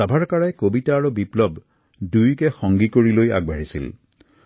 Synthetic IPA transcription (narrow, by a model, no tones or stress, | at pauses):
abʱaɹkaɹajkobitaːɹubiplɔb | dujkɛxɔŋɡikoɹiloja̰ɡ̚bʱaɹisḭl